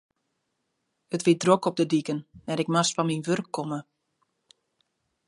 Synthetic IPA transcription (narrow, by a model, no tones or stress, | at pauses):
ətʋidrokɔb̚dədikənnɛɾɪkmastfɔnminʋørkʰːɔmə